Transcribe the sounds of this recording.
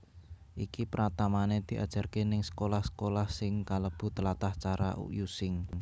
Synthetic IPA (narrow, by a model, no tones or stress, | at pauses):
ʔikipəɾat̪amaned̪̥i̤ʔa̰d̥ʒ̥a̤rkenɪŋsə̥kolahsə̥kolahsɪŋkaləb̥ṳt̪əlat̪aht͡ʃaɾa̰ʔṵʔjusɪŋ